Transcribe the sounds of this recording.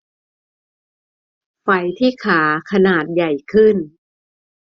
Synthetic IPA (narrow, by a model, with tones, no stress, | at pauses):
fa˧˩jt̪ʰiː˥˩kʰaː˩˦kʰa˧naː˨˩t̪̚ja˨˩jkʰɯ˥˩n